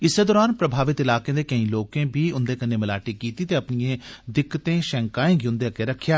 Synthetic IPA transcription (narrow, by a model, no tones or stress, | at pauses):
ɪseːd̪ɔːɾaːnpɾəbʱaːʋɪt̪ɪlaːkẽːd̪eːkɐĩːloːkẽːbʱiːʊnd̪eːkəneːməlaːʈiːkiːt̪iːt̪eːɐpnijẽːd̪ɪkːət̪ẽːʃɛ̃ːŋkaːẽːɡʊ̃nd̪ekeɾəkʰːjaː